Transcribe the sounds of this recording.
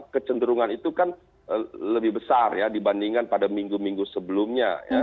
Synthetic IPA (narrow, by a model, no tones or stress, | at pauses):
kət͡ʃəndəɾuŋanit̪ukan | ələbɪhbəsarjadibandiŋanpadamiŋɡumiŋɡusəbəlʊmɲa̰ja̰